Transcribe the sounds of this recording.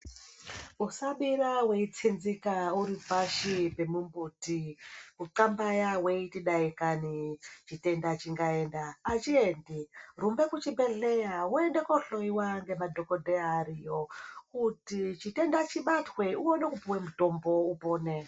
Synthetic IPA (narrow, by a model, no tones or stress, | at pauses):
usaɓiɾawe̞it͡sʰinzikauɾipaʃipe̞mumbutikuǃambajawe̞itiɗaikanit͡ʃite̞ndat͡ʃiŋɡae̞ndaːt͡ʃiendirumbe̞kut͡ʃimbe̞ɮe̞jawoendekoɬo̞iwaŋɡe̞madʱo̞ko̞dʱeaɾijo̞kutit͡ʃite̞ndat͡ʃiɓatwe̞uwonekupuwemuto̞mbo̞upoːne̞